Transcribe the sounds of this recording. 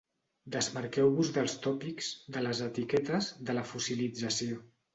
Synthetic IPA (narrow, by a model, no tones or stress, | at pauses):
d̪əzməɾkɛwβuzðəlˠst̪ɔpikz̥d̪ələzət̪ikɛt̪əzðələfusilid͡zəsio